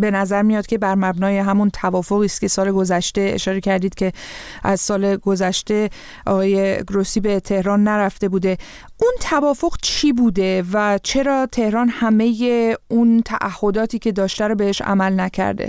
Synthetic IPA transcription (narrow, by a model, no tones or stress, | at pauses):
be̞næzæɾmijɒt̪cʰʲe̞bæɾmæbnɒːje̞ɦæmunt̪ʰævɒːfo̞ɣiːst̪cʰe̞sɒːleɡo̞zæʃt̪e̞ḛʃɒːɾe̞cʰæɾd̪iːd̪̥̚cʲʰe̞ | æzsɒːle̞ɡo̞zæʃt̪e̞ | ʔɒ̰ɣɒːje̞ɡɾosiːbe̞t̪ʰe̞hɾɒːnːæɾæft̪e̞buːd̪e̞ | ʔunt̪ʰævɒːfo̞ɣt͡ʃʰiːbuːd̪e̞væt͡ʃʰe̞ɾɒːt̪ʰe̞hɾɒːnhæme̞je̞unt̪ʰæʔæhːo̞d̪ɒːt̪ʰiːcʰe̞d̪ɒːʃt̪æɾɔbe̞he̞ʃæ̰mælnæcʰæ̰ɾd̪ḛ